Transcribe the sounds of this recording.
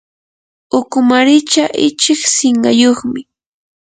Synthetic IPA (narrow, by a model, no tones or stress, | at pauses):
ʊkʊmaɾɪt͡ʃaʔɪt͡ʃɪksɪɴɢɑjoχmɪ